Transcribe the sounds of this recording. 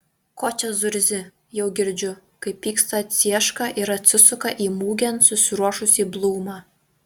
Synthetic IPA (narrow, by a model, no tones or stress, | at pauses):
koːt͡ʃʲɐzʊɾʲzʲɪ | jɛʊɡʲɪɾʲd͡ʒʲʊkɐɪpʲːiːkst̪ɐɐt̪ʲsʲiɛʃkɐʔɪɾɐt̪ʲsʲɪsʊkɐʔiːmuːɡʲɛnsʊsʲɪɾuɔʃʊsʲiːblˠuːmɐ